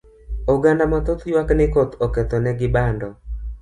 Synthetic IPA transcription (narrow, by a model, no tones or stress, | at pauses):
oɡandamat̪ɔt̪jwaknɪkɔt̪ɔkɛt̪ɔnɛɡɪbandɔ